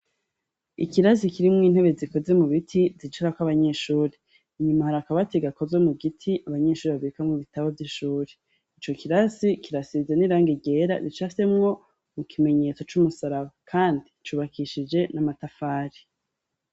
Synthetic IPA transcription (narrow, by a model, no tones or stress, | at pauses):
ḭkiɾasikiɾimŋiːn̥he̞βe̞ziko̞ze̞muβitʰizit͡ʃiɾakwaβaɲe̞ːʃuːɾe | iɲumahaɾakaβateɡako̞zemuɡitʰiʔaβaɲe̞ːʃuːɾeβaβiikamŋuβitaβavjiʃuːɾe | it͡ʃo̞kiɾasikiɾasizeniɾaːŋɡiɟe̞ːɾa̰ɾit͡ʃase̞mŋo̞ | mukʰime̞ɲe̞ːt͡so̞t͡ʃumusaɾaβakʰaːndit͡ʃuːβakʰiʃid͡ʒe̞namatafaːɾi̥